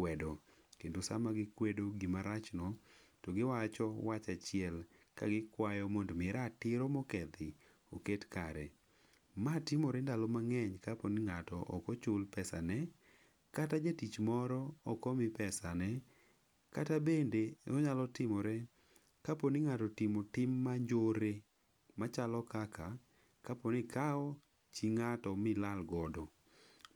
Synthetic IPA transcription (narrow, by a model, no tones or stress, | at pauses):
kwɛdɔ | kendosa̰maɡɪkwedoɡimaɾat͡ʃnɔtoɡɪwat͡ʃɔwat͡ʃat͡ʃɪɛl | ka̰ɡɪkwajɔmondmɪɾatɪɾomɔkɛd̪ɪ | oketkaɾɛ | matɪmɔɾɛndalɔmaŋɛɲkaponiŋatɔʔɔkɔt͡ʃʊlpɛsanɛ | katad͡ʒetit͡ʃmɔɾɔɔkɔmɪpɛsanɛ | katabendeɔɲalɔtɪmɔɾɛ | kaponiŋatɔtɪmotɪmːaɲd͡ʒoɾe | mat͡ʃalɔkaka | kaponɪkaɔ | t͡ʃiŋatɔmɪlalɡɔdɔ